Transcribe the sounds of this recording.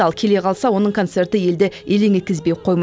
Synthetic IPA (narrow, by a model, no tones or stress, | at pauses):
ɑlˠkʲʰe̞le̞qʰɑlˠsɑwo̞nəɴkʰot̪se̞rt̪əje̞ld̪ɪje̞leŋʲe̞t̪̚kʲɪzbe̞jqʰo̞jmɑ